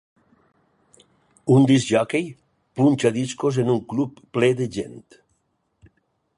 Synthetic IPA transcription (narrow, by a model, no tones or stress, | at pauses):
und̪izʒakej | punʲt͡ʃaðiskozenuŋklupːleðeʒent̪